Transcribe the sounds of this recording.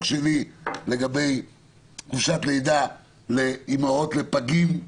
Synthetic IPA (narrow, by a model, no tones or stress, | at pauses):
ɡʃelile̞ɡabe̞j | kvuʃat̪le̞jd̪a | le̞imao̞t̪le̞paɡim